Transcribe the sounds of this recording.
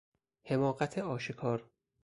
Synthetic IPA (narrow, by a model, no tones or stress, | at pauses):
he̞mɒːɢæt̪ʰeɒːʃekʰɒːɾ